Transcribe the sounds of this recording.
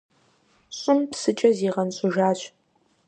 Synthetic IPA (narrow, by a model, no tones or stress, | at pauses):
ɕʼʊmpsɨt͡ʃʼɐziːʁɐnɕʼʊʒaːɕʼ